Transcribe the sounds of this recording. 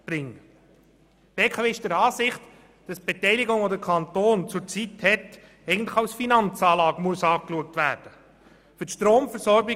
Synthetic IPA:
b̥ɾɪŋː | b̥eːkʰɑːveːɪʃd̥ɛɾɑːsɪχt | d̥ɑsb̥etɛɪlɪɡʊŋodəkʰɑntoːnt͡sʊɾt͡sithɛt | ɛɪɡən̩tlɪχɑwsfinɑnt͡sɑːlɑːɡəmuəsɑːkluək̚tvæːɾd̥ə | fʏtʃtɾoːmfəɾsɔɾbɪ

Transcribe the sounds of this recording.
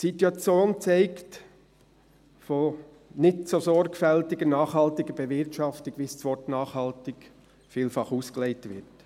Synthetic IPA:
situɑt͡sjoːnt͡saɪkt | foː | nɪtsozɔɾkfɛltɪɡənɑːχhɑltɪɡəb̥ɛvɪɾtʃɑftɪkvist͡sʋɔɾtnɑːχhɑltɪk | fiːlfɑχuːskəleɪtvɪ̰ɾt

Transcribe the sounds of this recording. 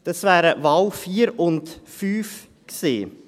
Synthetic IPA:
d̥̪ɑsvæːɾəvaʊwfiːɾʊnt̪fyːf | ksḛː

